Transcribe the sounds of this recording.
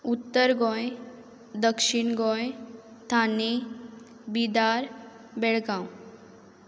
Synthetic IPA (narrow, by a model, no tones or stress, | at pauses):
ut̪ːəɾɡɔ̃j | d̪əkʂiɳɡɔ̃jt̪ʰane | bid̪aɾ | bɛɭɡãw